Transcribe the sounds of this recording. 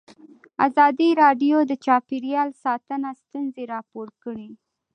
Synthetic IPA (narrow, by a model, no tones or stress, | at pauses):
a̰zɑd̪iɾɑɖjod̪ət͡ʃɑpiɾjɑlsɑt̪ənast̪unzeɾɑpoɾkəɽi